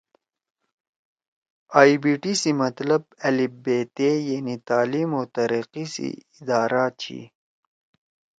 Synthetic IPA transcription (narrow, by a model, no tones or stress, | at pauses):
aːibiʈisimɐt̪lɐb̚ɐlibet̪ejanit̪aːlimot̪ɐɾiqisḭɪd̪ɑːɾat͡ɕʰḭ